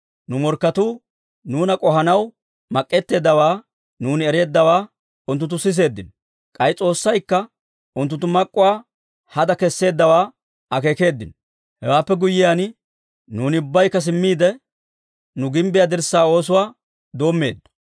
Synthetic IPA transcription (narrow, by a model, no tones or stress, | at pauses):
nʊmɔɾkːɐt̪uː | nuːnɐkʼɔɦɐnɐw | mɐkʼːɛt̪ːe̞ːd̪ːɐwaː | nuːnɪɛɾe̞ːd̪ːɐwaː | ʊnt̪ʊnt̪̬ːʊsɪs̬e̞ːd̪ːɪn | kʼɐjɪt͡sʼo̞ːsːɐjkːɐ | ʊnt̪ʊnt̪ːʊmɐkʼːʊwaː | hɐd̪ɐkɛsːe̞ːd̪ːɐwaː | ɐke̞ːke̞ːd̪ːɪn | hɛwaːpːɛɡʊjːɪjaːn | nuːnɪʊbːɐjkːɐs̬ɪmːiːd̪ɛ | nʊɡɪmbɪjaːd̪ɪɾsaːo̞ːs̬ʊwaː | d̪o̞ːmːe̞̰ːd̪ːɔ̥